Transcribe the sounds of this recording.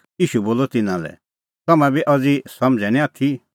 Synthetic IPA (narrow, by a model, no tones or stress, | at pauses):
jiːʃuboːlɔt̪ɪnãlɛ̰ | t̪ɐmɛ̃biʔɐd͡zisɐmd͡zɛnĩaːt̪ʰi